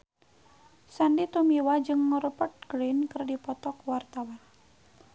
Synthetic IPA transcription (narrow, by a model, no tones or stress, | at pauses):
sandit̪umiwad͡ʒɨŋːəɾupət̪̚ɡɾinkərdipɔt̪ɔkwart̪awan